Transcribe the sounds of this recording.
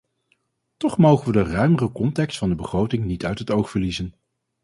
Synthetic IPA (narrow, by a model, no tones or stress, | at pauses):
tɔχmowχənʋədərœɥmərəkɔntɛkstfɑndəbəχrowtɪŋnitœɥtɦətowχfəɹlizən